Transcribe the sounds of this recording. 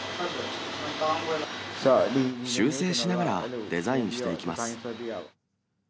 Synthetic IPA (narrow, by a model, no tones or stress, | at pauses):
ɕɨːse̞ːɕinaɡaɾad̪e̞zaĩɲɕi̥t̪e̞ikʲimasɨ̥